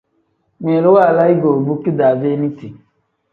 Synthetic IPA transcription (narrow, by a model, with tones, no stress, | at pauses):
me˨lo˦wa˦˨la˦i˦ɡo˨bu˦ki˦da˨ve˦ni˦ti˨